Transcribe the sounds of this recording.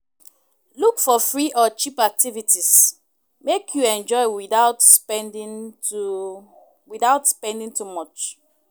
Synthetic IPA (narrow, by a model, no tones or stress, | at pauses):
lukfɔfɹiʔɔt͡ʃipak̚tivitʰis | mekʰjuɛ̃nd͡ʒɔɪwiaʊtspɛndĩn | wiðaʊtspɛ̃ndĩŋtʰumɔt͡ʃ